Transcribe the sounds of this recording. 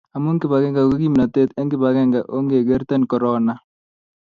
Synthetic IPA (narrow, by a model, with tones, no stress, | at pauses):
a˨mu˦ŋkɪ˦ba˨ɡɛ˦ŋɡa˨ki˦ɡi˦mna˨t̪e˦t̪ɛ˦ŋkɪ˦ba˨ɡɛ˦ŋɡa˨ʔo˦ŋɡe˨ɡe˦ɾt̪ɛ˦nkɔ˨ɾɔ˦na˦